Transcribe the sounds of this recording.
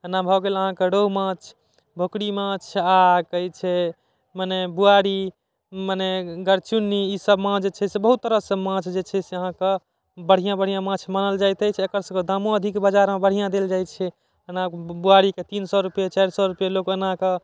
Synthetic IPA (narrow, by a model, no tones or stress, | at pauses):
ənabʱɔɡeləɦãkeɖomãt͡ʃʰ | bʱokɽimãt͡ʃʰakəjt͡ʃʰɛ | manebuaɽi | maneɡəɾt͡ʃunːiisəbmãd͡ʒet͡ʃʰɛsebəɦut̪ːəɾəsə̃mãt͡ʃʰd͡ʒet͡ʃʰɛseəɦãke | bəɽ̤ijãbəɽ̤ijãmãt͡ʃʰmanəld͡ʒajt̪ət͡ʃʰɛekəɾsə̃ked̪amoəd̪ʱikbəd͡ʒaɾmẽbəɽ̤ijãd̪eld͡ʒajt͡ʃʰɛ | ənãbuaɽiket̪insɔɾupjet͡ʃajɾsɔɾupjelokənãke